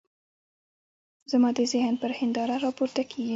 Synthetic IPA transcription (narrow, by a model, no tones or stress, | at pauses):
zamɑd̪əzɪhnpəɾhɪnd̪ɑɾaɾɑpoɾt̪akʰeɡi